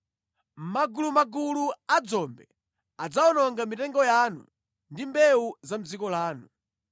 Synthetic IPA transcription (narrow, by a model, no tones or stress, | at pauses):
m̩maɡulumaɡuluad͡zɔmbɛ | ad͡zaɔnɔŋɡamitɛŋɡɔjaːnṵ | ndimbɛuzam̩d͡zikɔlaːnu